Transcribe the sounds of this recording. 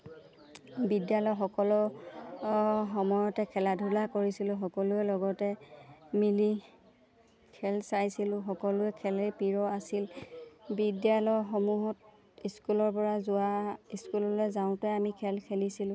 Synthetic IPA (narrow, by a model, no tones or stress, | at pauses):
bidjalɔjxɔkɔlɔ | xɔmɔjɔtɛkʰɛladʱulakoɹisilʊ̃xɔkɔlʊɛlɔɡɔtɛmili | kʰɛlsajsilʊxɔkɔlʊɛkʰɛlepiɹɔasilbidjalɔjxɔmuɦɔt̚ | iskulɔɹpɔɹazʊwaiskulɔlɔjzaʊ̃tɛamikʰɛlkʰelisilʊ̃